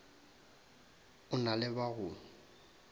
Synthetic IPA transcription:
ʊnalɪbaɣʊː

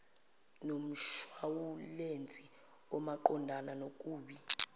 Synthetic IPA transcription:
nom̩ʃwawulent͡sʼi | wɔmaǃɔndʱananok̬ʼuːɓi

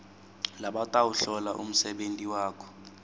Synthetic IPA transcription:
laɓatʼawuɬɔlaʔum̩sɛɓentʼiwaːkʰɔ̥

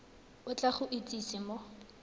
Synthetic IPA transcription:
ʊt͡ɬʼaχʊʔit͡sʼisɪmɔ

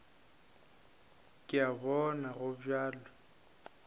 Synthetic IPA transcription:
kʼɪabɔnaɣʊbjaːlɔ

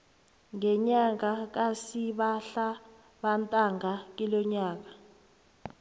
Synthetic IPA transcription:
ŋɛɲaŋak̬asiɓaɬa | ɓantʼaŋʱak̬ilɔɲaːk̬ḁ

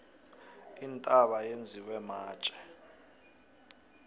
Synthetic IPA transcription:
intʼaɓajend͡zʱiwɛmaːt͡ʃʼɛ̥

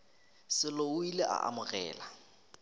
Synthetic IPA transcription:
sɪloʊileʔa̰ʔa̰mʊɣɛ̰ːla

